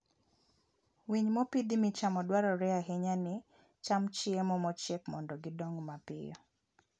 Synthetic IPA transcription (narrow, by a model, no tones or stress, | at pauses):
wiɲmɔpid̪imɪt͡ʃamɔdwaɾɔɾɛaɦeɲanɪ | t͡ʃamt͡ʃɪemɔmɔt͡ʃɛkmɔndɔɡɪdɔŋmapɪ̰jɔ̰